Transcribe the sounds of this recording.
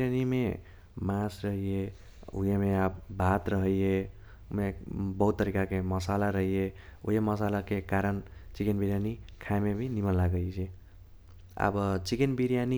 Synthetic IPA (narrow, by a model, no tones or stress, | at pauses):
ɾjanime | mãsɾəɦije | ṵjemeabbʱat̪ɾəɦəije | mebʌɦut̪ːəɾikakeməsalaɾəɦijeṵɦeməsalakekaɾənt͡ʃikenbiɾjanikʰaemebʱinimənlaɡəet͡ʃʰi | a̰bət͡ʃikenbiɾijani